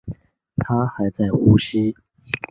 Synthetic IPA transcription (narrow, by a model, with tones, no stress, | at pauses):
t̪ʰa˥xa˧˥ɪt͡sa˥˩ɪxu˧˥ɕi˥